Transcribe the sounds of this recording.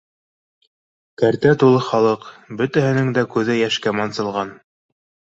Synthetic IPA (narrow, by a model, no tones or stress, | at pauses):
kæɾt̪æt̪ulˠɤχɑlˠɤqbɵt̪æɦɘ̆nɘŋd̪ækʉðɘjæʃkæmɑnsɤ̆lˠʁɑn